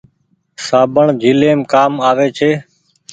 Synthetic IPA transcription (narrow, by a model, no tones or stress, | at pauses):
saːbʱəɳd͡ʒʱiːleːmkaːmaːʋeːt͡ʃʰeː